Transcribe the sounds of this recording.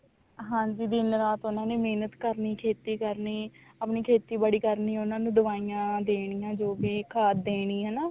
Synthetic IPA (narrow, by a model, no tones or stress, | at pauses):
ɦãːɲd͡ʒiːd̪ɪnɾaːt̪ʊnãːneːmeːnət̪kəɾniːkʰeːt̪iːkəɾniː | əpniːkʰeːt̪iːbəɽiːkəɾniːʊnãːnũːd̪əʋaːijãːd̪eːɽ̃ijãːd͡ʒoːbiːkʰaːd̪eːɽ̃ĩːɦɛːnaː